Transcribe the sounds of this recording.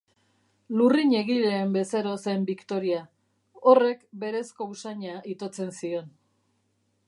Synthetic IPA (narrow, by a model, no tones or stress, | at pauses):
luriɲe̞ɣiʎe̞ːmbe̞seɾo̞sembikt̪o̞ɾia | o̞re̞kbe̞ɾe̞sko̞usaɲaʔit̪o̞t͡se̞nsio̞n